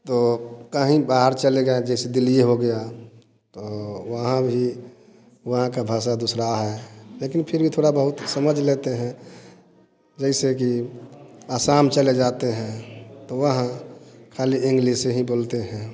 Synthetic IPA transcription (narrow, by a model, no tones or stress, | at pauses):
t̪okəɦĩbaːɦəɾt͡ʃəleɡəad͡ʒɛɪsed̪ɪlijeɦoɡəja | t̪oʋəɦãbʱi | ʋəɦãkabʱaːs̬ad̪usɾaɦɛleːkinpʰɪɾbʱit̪ʰoːɽabəɦʊt̪səməd͡ʒʱlet̪eɦɛ̃ | d͡ʒɛɪsek̬i | aːsaːmt͡ʃəled͡ʒaːt̪eɦɛ̃t̪oʋəɦãkʰaːliɪ̃ŋɡliseɦiboːlt̪eɦɛ̃